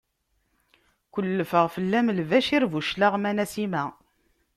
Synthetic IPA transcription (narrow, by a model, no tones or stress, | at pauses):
kʷəlːəfəʁfəlːæmlvæʃiɾvuʃlaʁmænæsimæ